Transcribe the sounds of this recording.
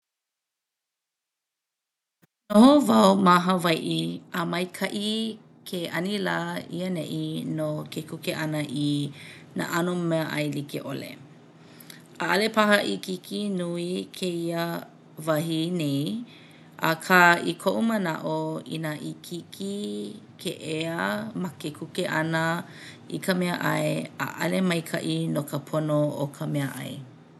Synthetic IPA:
nohovɐwmaɦɐvɐjʔiəmɐjkʰɐʔi | kʰeʔɐnilaːḭənɛ̰ʔinokʰekʰukeʔɐnəʔina̰ʔɐnumɛəʔɐ̰jlikḛʔo̰lḛ | aʔɐlepɐɦɐʔikikʰinuikʰeiə | vɐɦinej | ʔɐ̰kʰaikʰoʔumɐnɐ̰ʔoḭnaʔikʰikʰi | kʰeʔeəmɐkekʰukeʔɐnə | ḭkʰəmɛəʔɐeə̰ʔɐlemɐjkʰɐ̰ʔinokəpʰonookʰəmeəʔɐ̰j

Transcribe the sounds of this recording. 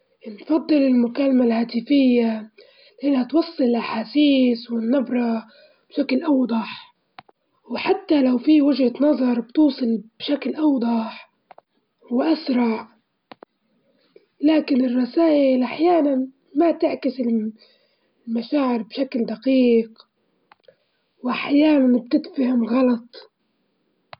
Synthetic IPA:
nfɑd̪ˤːɨlɪlmʊkalmalhaːt̪ɪfɪjːa | lɪʔɪnhat̪wɑsˤːɨllʔaħaːsiːswɪnːɪbɾˤɑ | b̥ʃaklʔɑwd̪ˤɑħ | wħat̪ːalawfiwɪʒhat̪nɑðˤɑɾˤbt̪uːsˤɨlb̥ʃaklʔɑwd̪ˤɑħ | wʔasɾˤɑʔ | laːkɪnɪrˤːɑsaːʔɪlʔaħjaːnan | mat̪ɪʕkɪsɪl | lmaʃaːʕɪɾbʃakld̪aqiːq | wʔaħjaːnanb̚t̪ɪd̪fahɪmɣɑlɑt̪ˤ

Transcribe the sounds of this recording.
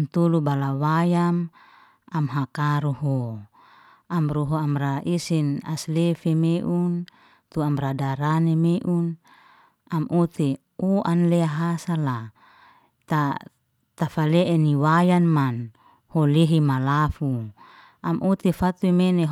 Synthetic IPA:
mt̪ulubalawajam | amɦakaɾuɦo | amɾuɦoamraʔisinaslefemeʔun | t̪uamradaɾanemeʔun | amʔut̪e | uanlɛaɦasala | t̪a | t̪afaleʔɛniwajanman | holeɦimalafu | amʔut̪efat̪uimene

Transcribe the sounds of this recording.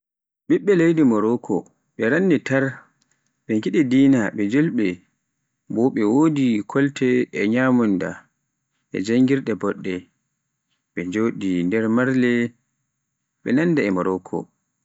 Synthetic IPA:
ɓiɓːɛlejdimɔɾɔkʰɔ | ɓɛɾanːitaɾ | ɓɛŋɡiɗidiːnaɓɛd͡ʒolɓɛ | bɔɓɛwoːdikʰɔltɛːɲamunda̰ | ʔɛ̰d͡ʒaŋɡiɾɗɛbɔɗːɛ | ɓɛd͡ʒoɗindɛɾmaɾlɛ | ɓɛ̰nandaɛmɔɾɔkʰɔ̰

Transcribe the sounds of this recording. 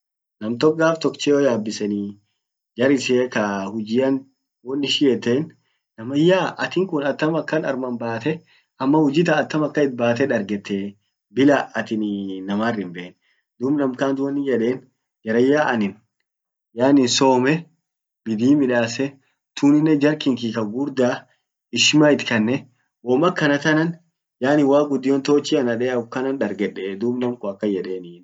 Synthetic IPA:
nɐmt̪ɔkʼːaːft̪ɔkt͡ʃeːɔjaːbːɪsɛni | d͡ʒɐɾɪseːkɐhʊd͡ʒɪːjɐn | wɔnːɪʃɪjɛt̪ːeːnː | ɐmɐjːaːʔɐt̪ɪŋkʊnɐt̪ːɐmɐkːɐnɐ̰ɾmɐnbaːt̪ɛ | ʔɐmːɐhʊd͡ʒɪt̪̬ɐːt̪ːɐmɐkːɐɪt̪̚baːt̪ɛᶑɐɾɡɛt̪ːeː | bɪlaɐt̪ɪnnɐmaːrːɪmbeːn | d̪uːbnɐmkaːnd̪ʊwɐnɪjɛᶑe̞ːn | d͡ʒɐɾɐjːaːʔɐnɪn | jaːnɪnso̞ːmɛ | bɪd̪iːmɪᶑaːsɛ | t̪ʰuːnɪnːɛd͡ʒɐɾkɪŋkikɐɡʊɾd̪aː | ɪʃmaːɪt̪kɐnːɛ | wɔmɐkːɐnɐt̪ɐnɐn | jaːnɪwaːɡʊd̪ːɪjoːnt̪oːt͡ʃːiɐnɐᶑɛːkɐnɐnᶑɐɾɡɛᶑeːd̪uːbnɐmkʊɐkːɐjɛᶑeːnɪn

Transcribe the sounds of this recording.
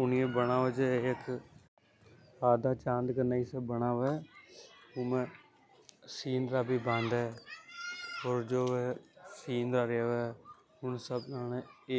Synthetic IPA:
ʊnɪẽbəɽãːʋəd͡ʒeɪkʰ | aːd̪ãːt͡ʃãːnd̪kənaːiːsəbəɳaːʋɛː | ʊmẽː | siːnd̪ɾaːbiːbə̃nd̪ɛː | ɔːɾd͡ʒoːʋeːsiːnd̪aːɾjaːʋɛː | ɦʊɳsəbnaːne

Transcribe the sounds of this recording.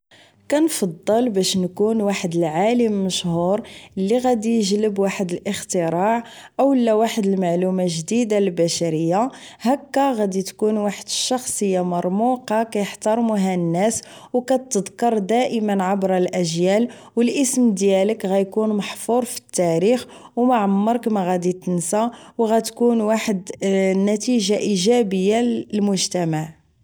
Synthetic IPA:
kænfɑd̪ˤːəlbæʃnkunwaħəd̪əlʕaləmːəʃhuɾˤʔəlːiɣæd̪ijʒləbwaħəd̪əlʔəxt̪əɾˤɑʕ | ʔəwəlːæwaħəd̪əlmaʕlumæʒd̪id̪albæʃæɾəjːa | hækːæɣæd̪it̪kunwaħəd̪əʃːɑxsˤəjːamɑɾˤmuqɑkæjəħt̪ɑɾˤmuɦænːæs | wkæt̪ːəd̪kɑɾˤd̪æʔəmənʕabɾɑlʔæʒjæl | wəlʔəsmd̪jæləkɣæjkunmɑħfuɾˤfi̥t̪ːæɾix | wmaʕəmːəɾˤkmæɣæd̪it̪ənsæwɣæt̪kunwaħəd̪nːæt̪iʒaʔiʒæbəjːaəlmʊʒt̪æmaʕ

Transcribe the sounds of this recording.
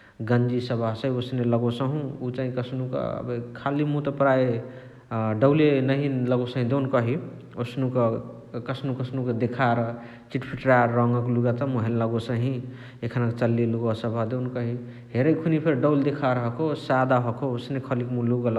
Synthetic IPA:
ɡənd͡ʒisəbʱaɦsə̃ɦiosneləɡosəɦũut͡ʃaɦĩkəsnukʌ̰bekʰalimũt̪ɔpɾai | ɖəwlenəɦĩləɡosə̃ɦĩd̪ewnkʌɦi | osnũkə | kəsnũkəsnuked̪ekʰaɾʌɦ | t͡ʃiʈpʰiʈɾaɾʌŋɡəkluɡat̪amuɦelləɡosə̃ɦĩ | ekʰənakt͡ʃəlːiluɡɔsəbʱad̪ewnkʌɦi | ɦeɾəjkʰunipʰeɾɖəwld̪ekʰaɾəɦkʰosad̪aɦɔkʰoosnekʰəlikmũluɡəl

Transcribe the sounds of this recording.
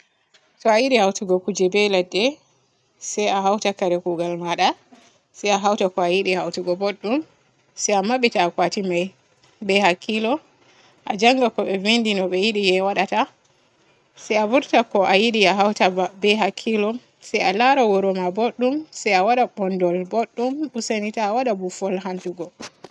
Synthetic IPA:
tɔajiɗihawtuɡɔkud͡ʒɛbɛladːɛ | sajaɦawtakaɾɛkuːɡalmaɗa | sajaɦawtakɔajiɗihawtuɡɔboɗːum | sajamaɓitaːkwatimaj | bɛhakʰːilɔ | ʔa̰d͡ʒaŋɡakɔɓɛvindinɔɓɛjiɗijɛwaɗata | sɛjavuɾtakɔʔajiɗijaɦawtaabɛɦakʰːilɔm | sajalaɾawɔɾɔmaboɗːumsajawaɗaɓɔndɔlboɗːumɗusanitaːwaɗabufɔlɦantuɡɔ

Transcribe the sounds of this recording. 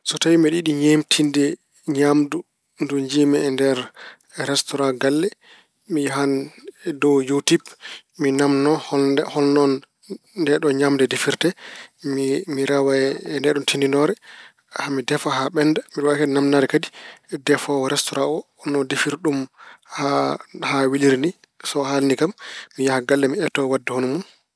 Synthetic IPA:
sɔtawimɛɗiɗiɲemtʰindɛ | ɲamdu | ndund͡ʒimɛːndɛɾ | ɾɛstɔɾaɡalːɛ | miɦandɔwjutip | minamnɔhhɔnːɔnː | dɛɗɔɲamdɛdefiɾtɛimiɾawaɛndɛɗɔntʰindinɔɾɛ | hamidɛfaɦaɓɛnːdamiwakɛnamnaɾɛkadidɛfɔɾɛstɔɾaɔ | nɔdefiɾɗumhahawiliɾni | sɔhalnikamːijahaɡalːɛmiɛtːɔwadːɛhonumun

